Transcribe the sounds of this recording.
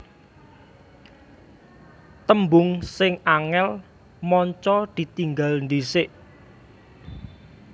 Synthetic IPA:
t̪əmbʊŋsɪŋaŋɛl | mɔɲt͡ʃɔd̪̥i̤t̪iŋɡalnd̪isɪʔ

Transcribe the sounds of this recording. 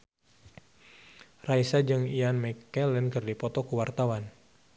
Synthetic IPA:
raisad͡ʒɨŋianmɛkːɛlɛnkɨrdipɔt̪ɔkuwart̪awan

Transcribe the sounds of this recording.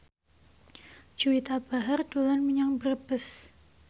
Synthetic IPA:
d͡ʒuit̪abaɦərdolanməɲaŋbərbəs

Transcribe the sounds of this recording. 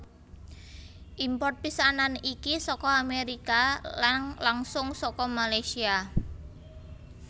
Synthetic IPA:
ʔimpɔrt̪̚pisananikisɔkɔameɾikalanlaŋsʊŋsɔkɔmalajsia

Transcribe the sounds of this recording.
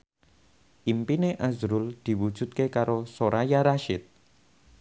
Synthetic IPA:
ʔimpineʔazɾʊld̪̥i̤wud̥ʒ̥ṳt̪̚kekaɾosoɾajaɾaʃɪt̪̚

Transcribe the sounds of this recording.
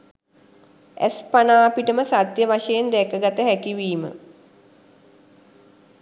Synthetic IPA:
æ̰spanaːpiʈəməsad̪jəʋaʃəjend̪ɛkəɡat̪əɦækiʋiːmə̰

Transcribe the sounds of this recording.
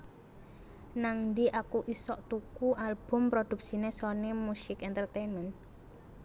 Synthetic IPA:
naŋnd̪iʔakuʔisɔʔt̪ukuʔalb̥ʊ̤mpɾod̪̥ṳk̚sinesɔnemusɪkɛnt̪ərt̪enmɛn

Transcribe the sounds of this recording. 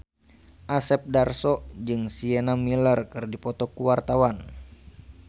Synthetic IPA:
ʔasɛp̚darsɔd͡ʒɨŋsiɛnamilərkɨrdipɔt̪ɔkuwart̪awan

